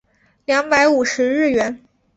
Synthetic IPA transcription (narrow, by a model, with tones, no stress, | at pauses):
ljɑ˧˥ŋpa˧˥ɪu˨˩ʂɻ̩˧˥ɻɻ̩˥˩ɥɛ˧˥n